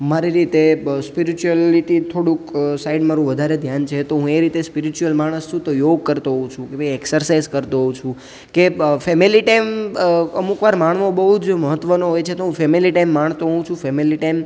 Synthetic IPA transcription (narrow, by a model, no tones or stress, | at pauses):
maɾiɾit̪espiɾit͡ʃuəliʈ̪it̪ʰoɽũksaiɖmaɾũʋəd̪ʱaɾed̪ʱjant͡ʃʰet̪oɦũeɾit̪espiɾit͡ʃuəlmaɽ̃əst͡ʃʰũt̪ojoɡ̚kəɾt̪oɦɔũt͡ʃʰũkebəɛksəɾsaizkəɾt̪oɦɔt͡ʃʰũ | kefɛmiliʈajməmukʋaɾmaɳ̃ʋobəɦud͡ʒməɦət̪ːʋənoɦojt͡ʃʰet̪oɦũfɛmiliʈajmːaɳt̪oɦũt͡ʃʰũfɛmiliʈajm